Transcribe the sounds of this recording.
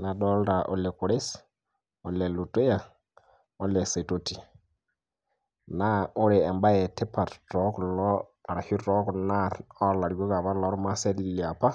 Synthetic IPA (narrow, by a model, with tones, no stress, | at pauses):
la˨ɗɔ˦lɾa˨ʔɔ̰˦lɛ˨ku˨ɾe˦s | ɔ˨lɛ˨lu˨te˦ja˨ | ɔ˦lɛ˨se˨to˦ti˨ | na˦o˦ɾɛ˨ɛ˨mba˦jɛ˨tɛ˦pa˨ɾɾɔ˦klɔ˦a˨ɾa˨hi˦ɾɔ˦kna˦˨ɾɔ˦la˨ɾɡo˦ka˨ba˦lɔ˦ɾma˦sɛ˦di˦i˨li˨a˨pa˦